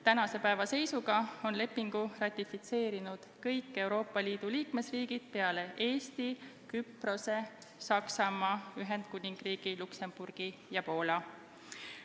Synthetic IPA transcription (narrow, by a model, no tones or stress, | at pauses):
t̪ænɑse̞pæevɑse̞jsuɡ̥ɑo̞nle̞pːiŋɡ̥urɑt̪ʲːifit̪se̞ːɾinud̪̥kɤjkːe̞uwɾo̞ːpːɑliːd̪̥uliːkme̞sriːɡ̥id̪̥̚pe̞ɑle̞ʔe̞ːst̪ikypro̞se̞ | sɑksɑmɑːyɦe̞nd̪̥kunʲiŋɡ̥riːɡ̥ilukse̞mb̥urɡ̥ijɑpo̞ːlɑ